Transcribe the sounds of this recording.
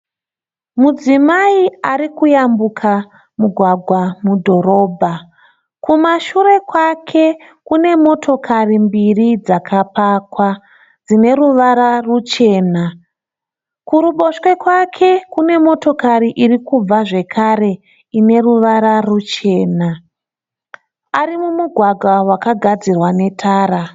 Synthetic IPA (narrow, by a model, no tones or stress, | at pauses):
mud͡zimaiaɾikujambukʰa | muɡʱwaɡʱwamudʱo̞ɾo̞ːbʱa | kumaʃuɾe̞kwakʰe̞ | kune̞mo̞tʰo̞kʰarimbirid͡zakʰapaːkwa | d͡zine̞ɾuʋaɾarut͡ʃe̞ːna | kuɾuɓo̞ʃwe̞kwakʰe̞kune̞mo̞to̞kaɾiʔirikub͡vaʐe̞kʰaɾe̞ | ine̞ruʋaɾarut͡ʃe̞ːna | aɾimumuɡʱwaɡʱwawakaɡʱad͡zirwane̞tʰaːɾa